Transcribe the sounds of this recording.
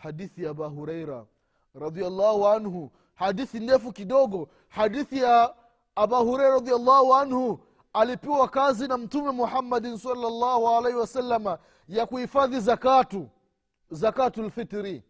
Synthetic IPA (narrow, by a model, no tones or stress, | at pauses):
hadiθijabaɦuɾɛjɾa̰ | ɾɑd̪ialːaːhuʕanhu | haɗiθindɛfukiɗɔɡɔ | hadiθijaː | bahuɾɛjɾaɾɑðialːaːhuanhu | alipiwakazinam̩tumɛmuħamːadinsɑlːalːaːhualɛhiwasalːama | jakuhifaðizakatu | zakatualfitɾi